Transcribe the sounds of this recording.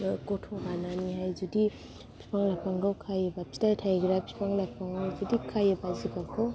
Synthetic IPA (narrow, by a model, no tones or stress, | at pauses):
kɔtʰɔbananiɦajd͡ʒudi | pʰi̥pʰaŋlajpʰaŋɡawkʰajebapʰi̥tajtʰajɡɾapʰi̥pʰaŋlajpʰaŋawd͡ʒudikʰajabaziɡakʰɔ